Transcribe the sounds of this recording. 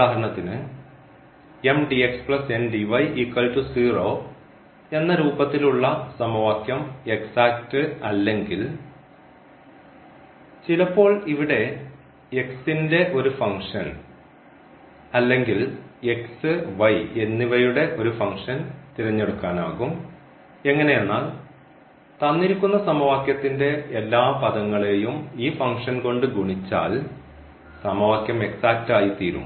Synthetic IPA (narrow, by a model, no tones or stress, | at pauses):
aːɦɐɾɐɳɐt̪ːinɨ | e̞mɖiekspɭɐse̞nɖiʋɐjikːɐltusiːroː | e̞nːɐɾuːbɐt̪ːiluɭːɐsɐmɐʋaːkjɐme̞ksaːktɨɐlːe̞ŋɡil | t͡ɕilɐpːo̞ːɭiʋiɽe̞ | eksinde̞ʔo̞ɾufɐŋʂɐn | ɐlːe̞ŋɡile̞ksɨʋɐjenːiʋɐjuɽe̞ʔo̞ɾufɐŋʂɐnt̪iɾɐɲːe̞ɽukːaːna̰ːɣum | e̞ŋːɐne̞jenːaːl | t̪ɐnːiɾikʲːunːɐsɐmɐʋaːkʲjɐt̪ːinde̞elːaːpɐðɐŋːɐɭe̞jumiːfɐŋkʂɐnko̞ɳɖɨɡʱuɳit͡ɕːa̰ːl | sɐmɐʋaːkjɐme̞ksaːk̚taːjit̪iːɾṵm